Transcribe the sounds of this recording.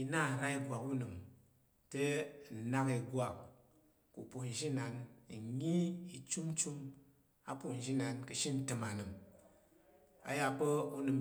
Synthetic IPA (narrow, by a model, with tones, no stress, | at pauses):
i˨na˦˨n̩˨ɾa˦i˦ɡʷwa˨ku˦nɨ˨m | te˦n̩˨na˦ki˨ɡʷa˨kː | u˨pu˨n̩˨ʒi˦na˨n˨˦ɲi˦i˨t͡ʃu˦m˦t͡ʃu˦m | a˦pu˨n̩˨d͡ʒi˦na˨nkɨ˨ʃi˦n̩˦tɨ˨ma˨nɨ˨m | a̰˨ja˦pə˦u˦nɨ˨m